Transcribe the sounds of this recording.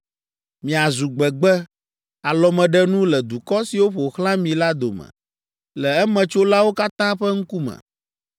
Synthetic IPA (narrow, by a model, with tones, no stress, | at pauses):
mĩ˨a˨zu˨ɡ͡bɛ˨ɡ͡bɛ˦ | a˨lɔ˨mɛ̃˨ɖɛ˦nũ˦lɛ˨d̪u˨kɔ˦si˨wo˦ɸo˨xlã˦mĩ˨la˦d̪o̰˨mɛ̰̃˨ | lɛ˨ɛ˦mɛ̃˨t͡ʃo˦la˦wo˦ka˦t̪ã˦ɸɛ˦ŋ̩˦ku˦mɛ̰̃˨